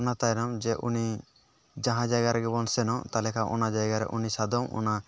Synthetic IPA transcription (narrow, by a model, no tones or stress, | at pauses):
nat̪ajnɔmd͡ʒɛʔuni | d͡ʒãɦãd͡ʒajɡaɾɛɡɛbɔnsɛnɔt̪alɛkʰaʔɔ̰nad͡ʒajɡaɾɛ̰ʔunisad̪ɔmɔ̰na